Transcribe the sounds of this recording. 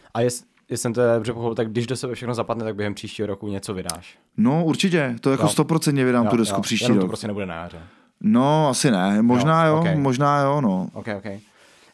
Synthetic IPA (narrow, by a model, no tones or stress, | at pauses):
ʔajɛs | jɛsɛmt̪oɛdobr̝ɛpoxopɪlt̪aɡ̚dɪʒdosɛbɛfʃɛxnozapadnɛt̪aɡ̚bjɛɦɛmpr̥iːʃciːɦoɾokuɲɛt͡sovɪda̰ːʃ | nouɾt͡ʃɪcɛt̪ojakost̪opɾot͡sɛnt̪ɲɛvɪdaːmudɛskupr̥iːʃɛninːɾopɾoscɛnɛbudɛna̰ja̰ːrɛ | noasɪnɛmoʒnaːjokɛjmoʒnaːjonoʔowkɛjokɛj